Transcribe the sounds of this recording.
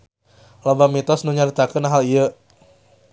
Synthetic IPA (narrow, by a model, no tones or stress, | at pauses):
lobamit̪ɔsnuɲaɾit̪akənaɦaliə